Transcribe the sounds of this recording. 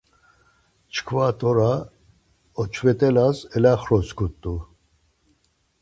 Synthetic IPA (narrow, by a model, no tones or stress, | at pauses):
t͡ʃʰkʰvat̪ʼɔɾa | ɔt͡ʃʰvɛt̪ʼɛlasɛlaχɾɔskʰut̪ʼːu